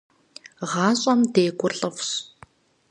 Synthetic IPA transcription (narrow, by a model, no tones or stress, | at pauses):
ʁaːɕʼamt̪eːɡʷʊrɮʼəws